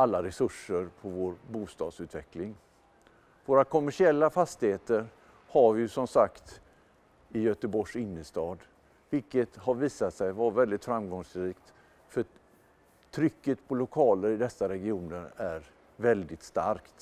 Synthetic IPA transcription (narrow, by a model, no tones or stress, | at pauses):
alːaɾɛsɵʂəɾpʰɔvoːɾbuːst̪ɑ̰ːd̪sʉ̟ːt̪vɛklɪŋ | voːɾakʰɔmːæʂɪɛlːafast̪ɪheːt̪əɾ | haɾvɪjɵsɔmsakt̪ | ɪjœːt̪əbɔʂɪnːəst̪ɑːd̪ | vɪlkət̪haɾviːsat̪sɛjvaɾvɛld̪ɪt̪fɾamɡɔŋsɾiːkt̪ | fœ | tʰɾʏkːət̪pʰɔlʊkʰɑːləɾɪd̪ɛsːaɾɛɡɪuːnəɾæɾ | vɛld̪ɪt̪st̪a̰ɾkt̪